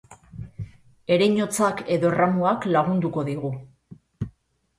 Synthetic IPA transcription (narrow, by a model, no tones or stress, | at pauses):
e̞ɾejɲo̞t͡sake̞ðo̞ramuaklaɣ̞und̪uko̞ðiɣu